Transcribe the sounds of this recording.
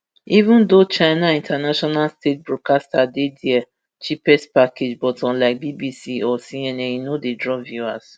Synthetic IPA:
ivũndot͡ʃaɪnaĩntʰanaʃɔnalstʰet̚bɹɔkastadediɛ | t͡ʃipɛspakʰed͡ʒbɔtɔ̃nlaɪk̚bibisiɔsiɛnɛjinodedɹɔvjuas

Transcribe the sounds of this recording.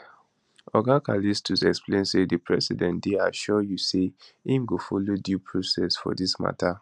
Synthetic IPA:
ɔɡakalistʰusɛksplẽnsedəpʰɹɛsidɛ̃ndeaʃɔjuseĩmɡofolodjupʰɹosɛsfɔ̰disma̰tʰa

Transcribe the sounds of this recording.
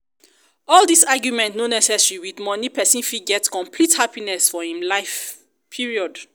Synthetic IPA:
ɔldisaɡjumɛ̃ntnonɛsɛsɹiwidmɔnipɛsĩnfiɡɛtkɔ̃mpʰlithapinɛsfɔhĩmlaɪf | pʰiɹiɔd

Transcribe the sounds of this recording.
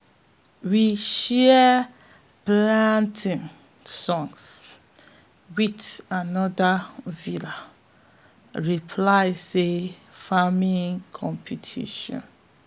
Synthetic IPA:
wiʃɛ | plãntʰĩŋ | sɔ̃ŋɡs | witanɔdavila | ɹipʰlaɪsefamĩŋkʰɔ̃mpʰutʰḭʃɔ̰̃n

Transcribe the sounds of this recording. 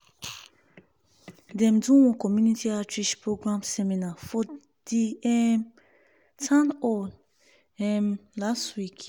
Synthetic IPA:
dɛ̃mdũwɔ̃kɔmjunitʰiatiʃpɹoɡɹãmsɛmĩnafɔ | d̥iɛm | tʰãnɔ | ɛmlastwik

